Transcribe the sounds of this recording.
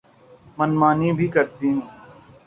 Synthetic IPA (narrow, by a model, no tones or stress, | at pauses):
mənmaːnibʱiːkəɾt̪iːɦɛ̃ː